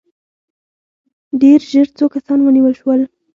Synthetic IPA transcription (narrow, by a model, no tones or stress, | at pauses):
ɖeɾʒəɾt͡sokasɑnwəniwəlʃwəl